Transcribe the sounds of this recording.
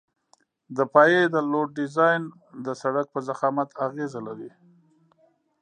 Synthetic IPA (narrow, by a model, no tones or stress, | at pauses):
d̪əpɑjed̪əloɖ̚ːɪzɑjn | d̪əsaɽak̚pəzaxɑmat̪ʰaɣezalaɾi